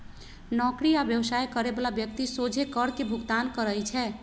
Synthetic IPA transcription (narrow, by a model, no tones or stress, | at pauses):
nɔkɾiabjəwsajkəɾebalabjək̚t̪isod͡ʒʱekəɾkebʱuɡt̪ankəɾəjt͡ʃʰɛ